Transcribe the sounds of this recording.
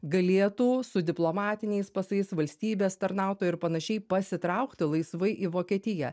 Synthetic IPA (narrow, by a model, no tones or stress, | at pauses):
ɡɐlʲeːt̪uːsʊd̪ʲɪplˠoːmɑːt̪ʲɪnʲɛɪspɐsɐɪsʋɐlʲsʲt̪ʲiːbʲeːst̪ɐɾnɑˑʊt̪oːjɪɾpɐnɐʃʲɛɪpɐsʲɪt̪ɾɐʊkt̪ʲɪlˠɐɪsʋɐɪʔiʋoːkʲiɛt̪ʲɪjɛ